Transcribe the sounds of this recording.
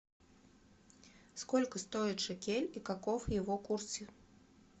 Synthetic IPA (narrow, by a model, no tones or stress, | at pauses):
skɔlʲkɐst̪ɔjiʂɛkʲelʲikakɔwjɛvɔkursʲi